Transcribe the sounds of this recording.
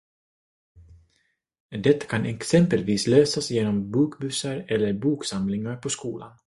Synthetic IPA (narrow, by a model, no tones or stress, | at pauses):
d̪ɛt̪ːḁkʰanɛksɛmpəlviːsløːsasjeːnɔmbuːkbʉ̟ːsaɾɛlːəɾbuːksamlɪŋaɾpʰɔskṵːlʔa̰n